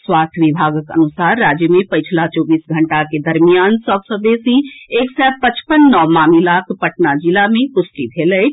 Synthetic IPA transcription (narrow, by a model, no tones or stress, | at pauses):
swaːst̪ʰʋibʱaːɡəkə̰nusaːɾːaːd͡ʒjəmẽpəjt͡ʃʰlat͡ʃɔːbiːsɡʱəɳʈaked̪əɾmijaːnsəbsəd̪esieːksɛpət͡ʃpənːɔmaːmilakʰpəʈnad͡ʒilamẽpʊsʈibʱelə